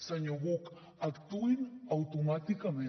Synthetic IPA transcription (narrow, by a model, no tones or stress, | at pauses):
saɲoɣok | akt̪uɪnawt̪omat̪ikame